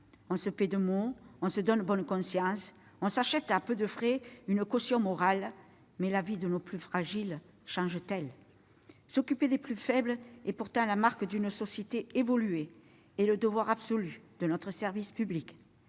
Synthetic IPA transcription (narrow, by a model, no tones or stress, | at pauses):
ɔ̃səpɛd̪əmoɔ̃səd̪ɔnbɔnkɔ̃sjɑ̃s | ɔ̃saʃɛt̪apød̪əfχɛynəkɔsjɔ̃mɔʁal | mɛlavid̪ənoplyfχaʒil | ʃɑ̃ʒət̪ɛl | sɔkyped̪eplyfɛblepuʁt̪ɑ̃lamaʁkəd̪ynsɔsjet̪eevɔlye | eləd̪əvwaʁabsɔlyd̪̥ənɔt̪χəsɛʁvispyblik